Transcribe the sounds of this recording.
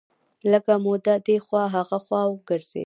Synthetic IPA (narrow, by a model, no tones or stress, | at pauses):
ləkamod̪ad̪exwɑɦaɣaxwɑwɡəɾz̥ḛ